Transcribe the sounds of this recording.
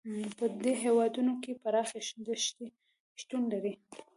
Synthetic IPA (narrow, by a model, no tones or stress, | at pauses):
pəd̪eɦewɑd̪unokepaɾɑxaʃd̪əʃt̪i | ʃt̪unlaɾi